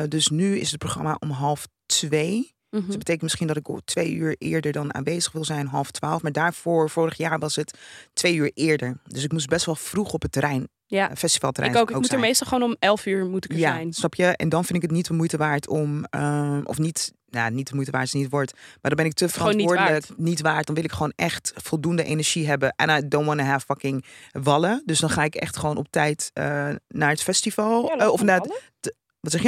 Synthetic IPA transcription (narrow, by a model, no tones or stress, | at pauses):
døsnyɪ̰sət̚proχrɑ̰maʔɔmɦɑlˠf | tʋej | bəteːkənmɪsχindɔtɪktʰʋejyːɹʔɪ̰ːɹdəɹdɑna̰ːnʋeːzəχʋɪlˠzɛjnɦɑlˠftʋaːlˠfmaːɹdaːɹfoːɹfoːɾəχjaːɹʋɑsətːʋejyːɹɪːɹdəɹdøs̬ɪkmus̬bɛstʋɛlˠfruχɔpətːəɾɛjn | afɛsti̥fɑlˠtərʔjnokɪomuəmejstɑlˠχoːnɔmɛlˠfyːɹmutəkjajnsnɑpʰjəʔɛ̰ndɔnfɪndɪkətnit̚əmujtəʋaːɹtʰɔm | ʔɔ̰fnit | nanit̚dəmujtəʋaːɹtnitʋɔɹtmadɔnbɪnɪk̚tʰəfərɔtnoːɹdələknitʋaːɹt̚dɔnʋɪlˠɪkχəoːnʔɛxtfɔlˠduəndəʔenəɹʒ̥iɦɛbəʔɛ̰nadonɔnəɦɛfɑkɪŋʋɑlədøsdɔnχaːɪkɛ̰xtχəʋoːnɔp̚tɛjtə̰naːɹətfɛstifɑlˠɔfna | ʋɔtsɛxjə